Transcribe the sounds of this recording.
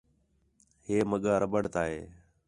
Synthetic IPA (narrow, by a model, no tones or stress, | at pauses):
heːməɠaːɾəbəɽt̪aːɦeː